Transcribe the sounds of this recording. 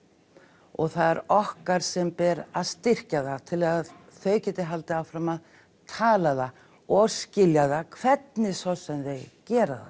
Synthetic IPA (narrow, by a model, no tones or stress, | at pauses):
ɔɣθaðɛɾɔhkaɾ̥sɛmpɛɾaðst̪ɪr̥caðat̪ʰɪlað | θœɥcɛːt̪ɪɦalt̪ɪawfɾamað | t̪ʰaːlaða | ɔɣscɪljaðakʰv̥ɛt̪nɪsɔsɛmðeɣcɛːɾa̰ða̰